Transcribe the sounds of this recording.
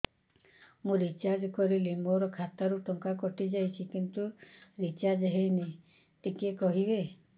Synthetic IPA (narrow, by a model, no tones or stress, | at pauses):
mũɾit͡ʃaɾd͡ʒkɔɾilemoɾɔkʰat̪aɾuʈɔŋkakɔʈid͡ʒajt͡ʃʰikint̪uɾit͡ʃad͡ʒeɦejni | ʈikekɔɦibe